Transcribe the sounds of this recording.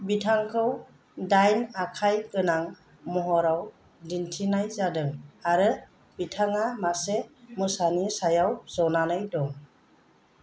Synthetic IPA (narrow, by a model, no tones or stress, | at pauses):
bitʰaŋkʰɯw | dajnakʰajkɯnaŋ | mɔɦɔɾaw | dintʰinajzadɯŋaɾɯ | bitʰaŋamasemɯsanisajawzɔnanɯjdɔŋ